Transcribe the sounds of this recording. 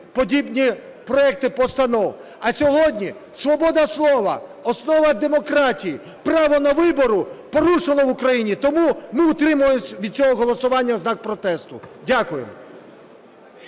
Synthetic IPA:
pɔdʲibnʲi | pɾɔɛk̚t̪ɪpɔst̪ɐnɔw | ɐsʲɔɦɔdʲnʲi | sʋɔbɔd̪ɐslˠɔʋɐ̰ɔsnɔʋɐd̪emɔkɾɑtʲiji | pɾɑʋɔnɐʋɪbɔɾʊpɔɾuʃelˠɔʋʊkɾɐjinʲit̪ɔmumɪʊt̪ɾɪmʊjeʋʲid̪̚t͡sʲɔɦɔɦɔlˠɔsʊʋɑnʲːɐznɑk̚pɾɔt̪ɛst̪ʊdʲakʊjḛmɔ

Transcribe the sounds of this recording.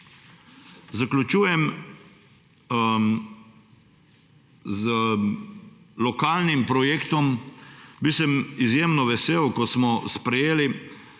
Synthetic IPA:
zaklʲut͡ʃuːjɛm | z | lɔkaːlnimpɾɔjekt̪ɔmbisɛmizjeːmnɔʋɛseːwkɔsmɔspɾɛjeːli

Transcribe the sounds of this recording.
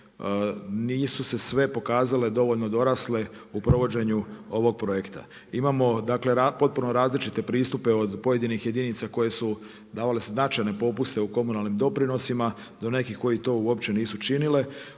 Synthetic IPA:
niːsuse̞sʋe̞po̞kaːzale̞d̪o̞ʋo̞ʎno̞d̪o̞ɾasle̞upɾo̞ʋo̞d͡ʑe̞ɲuo̞ʋo̞ɡ̚pɾo̞je̞kt̪a̰ | imamo̞d̪akle̞ɾapo̞t̪̚punoɾaːzlit͡ʃit̪e̞pɾiːst̪upe̞o̞d̪po̞je̞d̪inixje̞d̪init̪sako̞je̞su | d̪aːʋale̞sznat͡ʃajne̞po̞pust̪e̞uko̞munalnimd̪o̞pɾino̞sima | d̪o̞ne̞kiko̞jit̪o̞ːuo̞pt͡ɕe̞niːsut͡ʃinile̞

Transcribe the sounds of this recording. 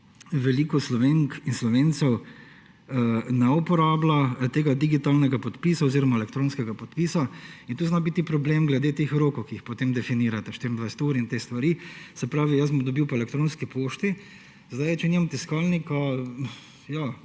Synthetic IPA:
ʋɛliːkɔslɔʋeŋkinslɔʋeːnt̪sɛw | nɛupɔɾaːblat̪eːɡad̪iɡit̪alnɛɡapɔt̪pisaoziːɾɔmaɛlɛkt̪ɾoːnskɛɡapɔt̪̚pisaint̪uːznabit̪ipɾɔblemɡlɛd̪eːt̪eːxɾoːkɔwkiixpɔt̪eːmd̪ɛfiniːɾat̪ɛʃt̪iɾind̪ʋajsɛ̥t̪uːɾint̪eːst̪ʋaɾiːsɛpɾaːʋijɐsbɔmd̪ɔbiwpaelɛk̚t̪ɾoːnskipoːʃt̪i | zd̪ajt͡ʃɛniːmamt̪iskalnikɔ | ja

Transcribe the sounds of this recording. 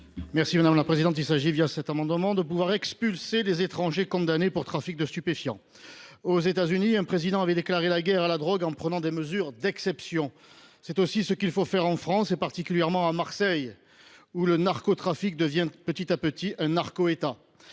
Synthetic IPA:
mɛʁsimad̪amlapχezid̪ɑ̃t̪ilsaʒivjasɛt̪amɑ̃d̪əmɑ̃d̪əpuvwaʁɛkspylselezet̪χɑ̃ʒekɔ̃d̪anepuʁt̪χafik̚d̪əst̪ypefjɑ̰̃ | ozet̪azyniɛ̃pχezid̪ɑ̃avɛd̪eklaʁelaɡɛʁalad̪ʁɔɡɑ̃pχənɑ̃d̪eməzyʁd̪ɛksɛpsjɔ̃ | sɛt̪osisəkilfofɛʁɑ̃fχɑ̃sepaʁt̪ikʲyljɛʁmɑ̃amaʁsɛj | ulənaʁkot̪χafik̚d̪əvjɛ̃pət̪it̪apət̪iʔɛ̃naʁkoet̪a

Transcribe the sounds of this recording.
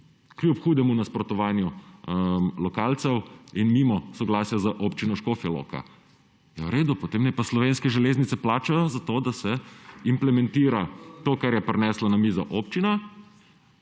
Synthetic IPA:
kljupxuːd̪ɛmunaspɾɔt̪ɔʋaːnju | lɔkaːlt̪sɛwinmimɔsɔɡlaːsjazaʔoːpt͡ʃinɔʃkofjɛlo̰ːka̰ | jawɾeːd̪upɔt̪eːmnɛpaslɔʋeːnskɛʒɛleːznit̪sɛplaːt͡ʃajzat̪od̪asɛimplɛmɛ̃nt̪iːɾat̪oːkaɾjɛpɾɛnɛːslanamiːzɔʔoːpt͡ʃina

